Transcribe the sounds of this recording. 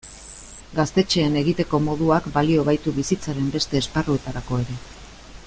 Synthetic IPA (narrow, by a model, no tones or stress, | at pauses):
ɡast̪e̞t͡ʃe̞ːne̞ɣit̪e̞ko̞mo̞ðuakbalio̞β̞ajt̪uβisit͡saɾe̞mbe̞st̪e̞ːsparue̞t̪aɾako̞e̞ɾe̞